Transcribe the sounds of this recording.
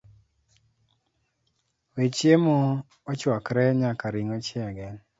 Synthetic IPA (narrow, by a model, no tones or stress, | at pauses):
wet͡ʃjemɔː | t͡ʃwakɾɛɲakaɾiŋɔt͡ʃɛaɡɛn